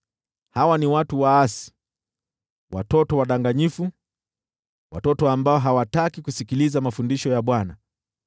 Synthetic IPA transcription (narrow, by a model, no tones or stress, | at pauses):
hawaniwatuwaasi̥ | watɔtɔwaɗaŋɡaɲifu | wa̰tɔtɔambaɔɦawatakikusikilizamafundiʃɔjaɓwana